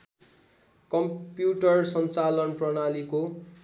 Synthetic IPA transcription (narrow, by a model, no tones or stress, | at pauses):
kʌmpjuʈʌrsʌnt͡salʌnprʌɽaliko